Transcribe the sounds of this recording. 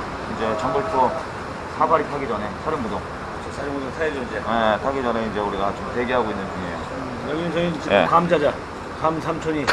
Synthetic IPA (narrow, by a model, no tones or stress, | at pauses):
ind͡ʑe̞t͡ɕʌŋbuɭtʰo | sʰabaɾitʰaɡid͡ʑʌnesʰaɾjoŋmudoŋ | ɯt͡ɕʰosʰaɾjoŋmːudoŋtʰaed͡ʑoind͡ʑejetʰaɡid͡ʑʌneind͡ʑe̞uɾiɡat͡ɕomteɡeɦaɡoinːɯnd͡ʑuŋḛjo | jʌɡiɯnsʰʌŋid͡ʑikamd͡ʑad͡ʑa | kamsʰamt͡ɕʰoɲi